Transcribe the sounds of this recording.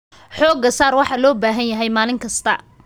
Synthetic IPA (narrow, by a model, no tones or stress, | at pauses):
ħɔːɡɐsaːrwɑħɑlɔːbaːɦɐnjɐɦɛjmaːlɪŋkʰɐst̪ʰɐ